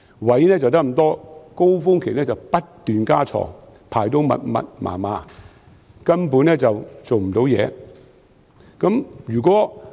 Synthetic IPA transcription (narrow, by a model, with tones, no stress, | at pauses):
wɐ˨˥jnɛː˥t͡sɐ˨wt̪̬ɐ˥k̚m̩˨˩t̪ɔː˥ko˥wfʊ˥ŋkʰe˨˩nɛː˥t͡sɐ˨wpɐ˥tt̪yː˨nkaː˥t͡ʃʰɔ̰ː˨˩ŋ | pʰaː˨˩jt̪o˨˥wmɐ̰˨t̚mɐ̰˨t̚mʔa̰ː˨˩maː˨˧ | kɐ˥npuː˨˥nɛː˥t͡sɐ˨wt͡so˨wm̩˨˩t̪o˨˥wjɛː˨˧ | kɐ˨˦˥mjyː˨˩k̬ʷɔː˨˥